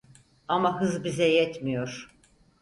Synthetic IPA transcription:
amaɦɯzbizɛjɛt̪mijo̞ɾ̥

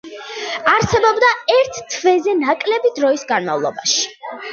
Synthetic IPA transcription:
aɾsɛbɔbd̪aɛɾt̪ʰt̪ʰːvɛzɛnakʼlɛbid̪ɾɔisɡanma̰vlˠɔ̰baʃi̥

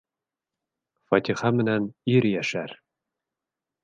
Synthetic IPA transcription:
fɒt̪ʲiχɑmɘ̆næniɾjæʃæɾ

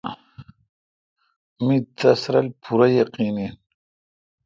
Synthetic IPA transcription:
mit̪ɐsɾɐlpʰuɾajaqiːnin

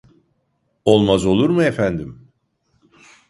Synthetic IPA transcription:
o̞lˠmazo̞lˠuɾmɯefænd̪im

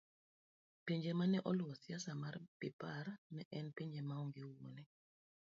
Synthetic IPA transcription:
peɲd͡ʒɛmanɛʔɔlɔsjasamarpipaɾnɛʔɛnpeɲd͡ʒɛmaɔŋɡewonɛ

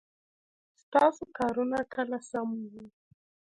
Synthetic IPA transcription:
st̪asukaɾunakalasamuɦu

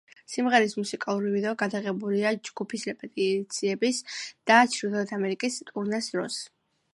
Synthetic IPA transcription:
simʁɛɾismusikʼalˠuɾivid̪ɔɡad̪aʁɛbuliad͡ʒɡupʰisɾɛpʼɛt̪ʼit̪sʰiɛbisd̪̥at͡ʃʰɾid̪ɛɛt̪ʰamɛɾikʼist̪ʼuɾnasd̪ɾɔs

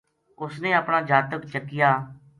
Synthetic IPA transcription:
ʊsnẽːəpɳaːd͡ʒaːt̪əkt͡ʃəkːɪjaː

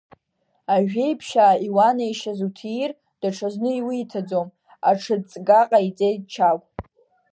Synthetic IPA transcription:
aʒᶣe̞jpʰʃaːiwanaiʃazutʰir | d̥aʈ͡ʂʰaznɨiwiitʰad͡zom | aʈ͡ʂʰɨt͡sʼɡaqʼait͡sʼejd̚t͡ʃʰakʷʼ

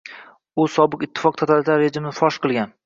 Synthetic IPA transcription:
ʊsɒbɨqɪt̪ʰːɪ̥fɒq̚t̪ʰat̪ʰalt̪ʰaɾɾed͡ʒɪmɪfɒʃqʰɨlˠɡʲan

